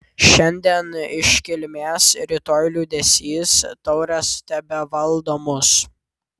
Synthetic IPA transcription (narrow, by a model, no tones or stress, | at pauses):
ʃʲɛnʲd̪ʲiɛnɪʃʲkʲɪlʲmʲeːsɾʲɪt̪oːlʲuːd̪ʲɛsʲiːst̪ɔʊɾʲɛst̪ʲɛbʲɛʋɐlˠd̪oːmʊs